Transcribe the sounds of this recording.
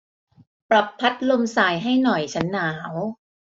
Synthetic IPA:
pɾa˨˩pʰːa˦˥t̪̚lo˧msaː˧jɦa˥˩jnɔ˨˩jt͡ɕʰa˦˥nːaː˩˦w

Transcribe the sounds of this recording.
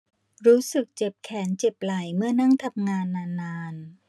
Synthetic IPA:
ɾuː˦˥sɯ˨˩k̚t͡ɕe˨˩p̚kʰɛː˩˦nt͡ɕe˨˩p̚la˨˩jmɯ˥˩ɐna˥˩ŋt̪ʰa˧mŋaː˧nːaː˧nːaː˧n

